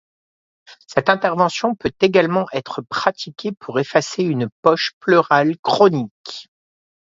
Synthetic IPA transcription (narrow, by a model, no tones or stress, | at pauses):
sɛt̪ɛ̃t̪ɛʁvɑ̃sjɔ̃pøt̪eɡalmɑ̃ʔɛt̪χəpχat̪ʰikʲepʰuʁefaseynpɔʃpløʁalkχɔnik